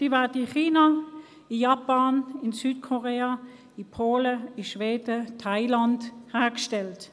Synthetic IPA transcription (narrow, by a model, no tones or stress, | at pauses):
d̥iːvɛɐdɪχiːna | ɪjɑpanɪnsyːtkʰoʁeːa | ɪpʰoːləɪʃveːdətʰaɪlanthæːʁkʃtɛlt